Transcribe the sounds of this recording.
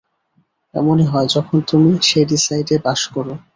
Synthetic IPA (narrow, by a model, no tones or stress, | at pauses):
ɛ̰moneɦɔed͡ʑɔkʰont̪umiʃejɖisajɖebaʃkɔɾo